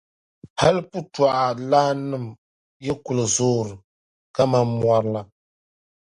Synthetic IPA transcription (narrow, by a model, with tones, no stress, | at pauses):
ha˦lpu˦twa˨ʔa˨laː˦nɨ˦˨m | jɛ˦ku˨lɨ˨zoː˦ɾɨ˨ | ka˦ma˦mmwa˨ɾɨ˨la˨